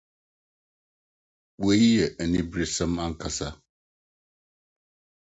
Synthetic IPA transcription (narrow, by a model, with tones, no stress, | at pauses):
ɓwə˦jə˨ʔə˨ni˦bɾi˦sə˦ma˦ŋ̩˨ka˨sa˦